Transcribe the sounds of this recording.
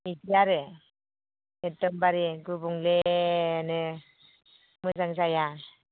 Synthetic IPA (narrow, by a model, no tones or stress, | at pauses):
idijaɾɯ | edɔmbaɾiɡɯbuŋlenɯ | mɯzaŋzaja